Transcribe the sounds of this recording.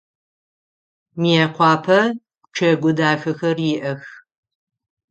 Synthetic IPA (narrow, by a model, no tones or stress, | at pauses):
miɛqʷʰɑːpʰɐ | ʈ͡ʂʰɐɡʷʊdaːxɐxɐrjɪʔɐx